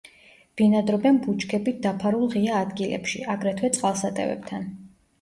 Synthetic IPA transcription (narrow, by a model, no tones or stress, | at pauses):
b̥inad̪ɾɔbɛnbut͡ʃkʰɛbit̪̚d̪apʰaɾulˠʁiaːd̪ɡilɛ̰pʃḭaɡɾɛt̪ʰwɛt̪sʼqʼalˠsat̪ʼɛ̰vɛ̰p̚t̪ʰan